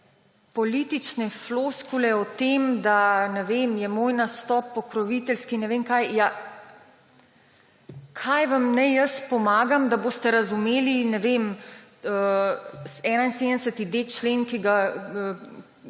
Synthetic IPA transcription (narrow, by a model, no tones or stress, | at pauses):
pɔliːt̪it͡ʃnɛfloskulɛɔt̪emd̪anɛʋemjɛmoːjnast̪ɔːpːɔkɾɔʋit̪ɛlskinɛʋeːmkajja | kʰajʋamnɛjəspɔmaːɡamd̪aboːst̪ɛɾɐzumeːlinɛʋeməsɛnainsed̪nd̪ɛsət̪id̪et͡ʃlenkiɡa